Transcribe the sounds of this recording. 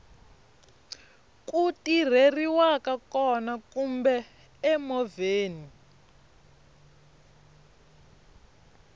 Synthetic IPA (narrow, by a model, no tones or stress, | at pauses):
kutir̤eriwakakɔnakumbɛː | mɔveːni